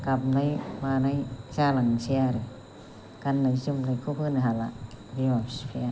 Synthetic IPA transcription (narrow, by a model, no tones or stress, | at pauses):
kap̚najmanajt͡ʃalaŋsiaɾɯ | kanːajsɯmnajkʰupʰɯniɦala̰ | biɔspʰia